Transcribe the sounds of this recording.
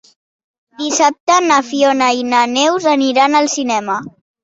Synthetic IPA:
d̪isap̚t̪ənəfionəinənɛwzəniɾanəlˠsinɛmə

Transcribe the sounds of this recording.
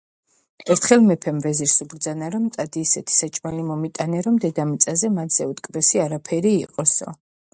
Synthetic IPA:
ɛɾt̪ʰχɛlˠmɛpʰɛmvɛziɾsubɾd̪zanaɾɔmt̪ʼad̪iːsɛt̪ʰi̥sat͡ʃʼmalimɔmit̪ʼanɛɾɔmd̪ɛd̪amit̪sʼazɛmat̪ʰz̥ɛut̪ʼkʼbɛsiaɾapʰɛɾiːqʼɔsɔ̰

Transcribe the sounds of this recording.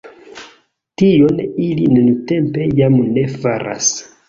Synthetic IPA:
tijo̞nilinenute̞mpe̞jamne̞faɾʔa̰s

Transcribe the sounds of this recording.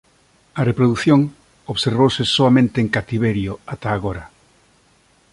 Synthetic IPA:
arepɾoðuθjoŋ | oβseɾβowsesoamẽnt̪eːŋkat̪iβ̞eɾjoat̪aːɣoɾa

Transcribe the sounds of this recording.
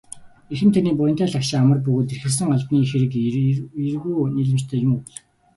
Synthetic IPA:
exɘ̆mt̪ʰaniːpʊjɞn̥t̪ʰæːɮakʃɪ̆ŋamə̆rp̬ɵɣoːt̪erxɘ̆ɮs̬ɘ̆ŋaɮpniːxeɾɘ̆kirɣuːniɮɘ̆t͡ɕt̪ʰæːjʊmɮ̆

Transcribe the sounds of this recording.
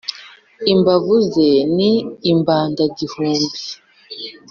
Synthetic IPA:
imbavuzeniːmbaːndaɟihuːmbi

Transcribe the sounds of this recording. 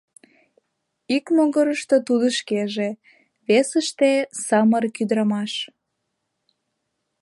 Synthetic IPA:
ikmoɣəɾəʃt̪ə̆t̪ud̪ə̆ʃkeʒe | βesəʃt̪esɑmərkyd̪ɾɑmɑʃ

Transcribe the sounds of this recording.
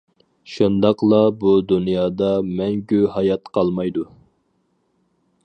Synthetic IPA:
ʃund̪ɑqlˠɑbud̪unjɑːd̪ɑmɛŋɡʲyhɑjɑt̪qʰɑlˠmɑjd̪u

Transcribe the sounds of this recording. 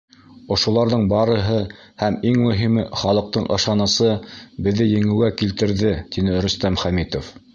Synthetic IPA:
ŏʃŏlˠɑɾðɤɴbɑɾɤ̆ɦɤ | hæmiŋmɵ̆ɦimɘχɑlˠɤ̆q̚t̪ɤɴʔɤ̰̆ʃɑnɤsɤbɘ̆ðːɘjɘ̆ŋɘ̆ækilt̪ɘ̆ɾðɘt̪inɘ̆ɾɵ̆st̪æmχæmit̪of

